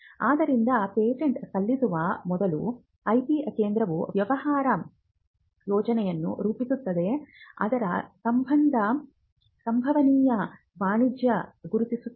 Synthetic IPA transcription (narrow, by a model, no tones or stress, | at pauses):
aːd̪ɐɾind̪ɐpeːʈeɳʈkɐlːisuʋɐmɔd̪ɐlu | ɐjp̪ikeːnd̪ɾɐʋuʋjɐʋɐɦaːɾɐ | jɔːd͡ʒɐnɛjɐnːṵɾuːpisut̪ːɐd̪e̞ɐ̰d̪ɐɾɐsɐmbʱɐnd̪ʱɐ | sɐmbʱɐʋɐniːjɐ | ʋaːɳid͡ʒjɐɡuɾut̪isu